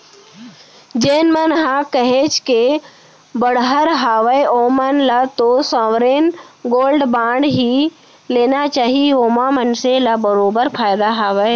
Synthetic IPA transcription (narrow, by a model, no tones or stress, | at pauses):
d͡ʒeːnmənɦãkəɦet͡ʃʰke | bəɽɦəɾɦaːʋəeoːmənlat̪osãːʋɾeːnɡoːlɖbãːɳɖɦi | leːnat͡ʃaːɦioːmamənselabəɾoːbəɾpʰaːjd̪aɦaːʋəe